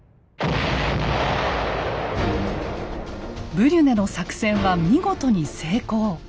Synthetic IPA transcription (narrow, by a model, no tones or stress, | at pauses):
bɯ̟ɾʲɯne̞no̞sakɯ̟̥sẽ̞ɰ̃βamʲiɡo̞t̪oɲ̟ise̞ːko̞ː